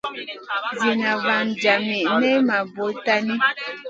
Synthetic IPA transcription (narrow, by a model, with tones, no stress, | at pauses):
zi˨na˨va˨nd͡ʒa˨mi˨ʔnɛ˦ma˨bo˨˦ta˦ni˦